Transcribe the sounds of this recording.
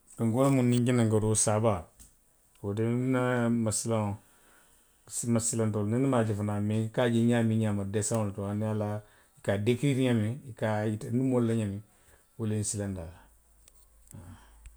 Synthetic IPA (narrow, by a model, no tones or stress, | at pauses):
kaŋɡulamunːiŋɡinaŋɡoɾosaba | wodenamasila | smasilantolninimad͡ʒifunamikad͡ʒeɲamiɲamadesaoltuaniala | ikadekiɾiɲamiikaitnimolːaɲami | wulensilandala | a